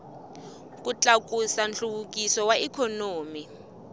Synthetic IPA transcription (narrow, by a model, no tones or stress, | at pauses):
kʼut͡ɬʼakʼusanɬuɓukʼisɔwaʔɛkʰɔnoːmi